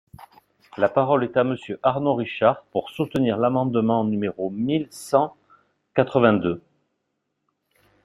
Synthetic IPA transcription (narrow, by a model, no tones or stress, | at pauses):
lapaʁɔlɛt̪aməsjøʔaʁnoʁiʃaʁpuʁsut̪əniʁlamɑ̃d̪mɑ̃nymeʁomilsɑ̃ | kat̪χəvɛ̃d̪ø